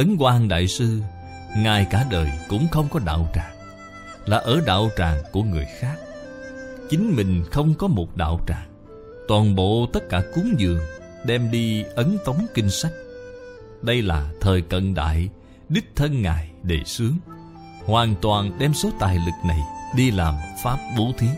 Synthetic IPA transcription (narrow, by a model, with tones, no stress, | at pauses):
ʔə˨˦ŋkwaː˧nɗa̰ː˧˨jsɨ˧ | ŋaː˨˩jkaː˧˩ɗəː˨˩jkʊ̰˧˥ŋ͡mxə˧wŋ͡mkɔ˨˦ɗa̰ː˧˨wt͡ɕaː˨˩ŋ | laː˨˩ʔəː˧˩ɗa̰ː˧˨wt͡ɕaː˨˩ŋku˧˩əŋɨ˨˩əjxaː˦˥k̚ | t͡ɕï˨˦ŋ̟mï˨˩ŋ̟xə˧wŋ͡mkɔ˨˦mo˨˩t̚ɗa̰ː˧˨wt͡ɕaː˨˩ŋ | t̪waː˨˩nɓo̰˧˨t̪ə˦˥t̚kaː˧˩ku˨˦əŋzɨ̰˨˩əŋ | ɗɛ˧mɗi˧ʔə˨˦nt̪ə˨˦wŋ͡mkï˧ŋ̟sa˦˥jk̟̚ | ɗə˧jlaː˨˩t̪ʰəː˨˩jkə̰˧˨nɗa̰ː˧˨j | ɗi˦˥k̚t̪ʰə˧nŋaː˨˩jɗe˧˩sɨ˨˦əŋ | hwaː˨˩nt̪waː˨˩nɗɛ˧mso˨˦t̪aː˨˩jlɨ˨˩k̚na˨˩jɗi˧laː˨˩mfaː˦˥p̚ɓo˨˦t̪ʰi˨˦